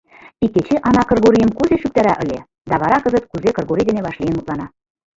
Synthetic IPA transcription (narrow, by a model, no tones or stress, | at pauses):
ikːet͡ɕeʔɑnɑkɤ̆rɣoɾijəmkuzeʃyk̚t̪æɾæʔə̆lʲe | d̪æβɑɾɑkɤzət̪̚kuzekɤ̆rɣoɾid̪eneβɑʃlijənut̪lɑnɑ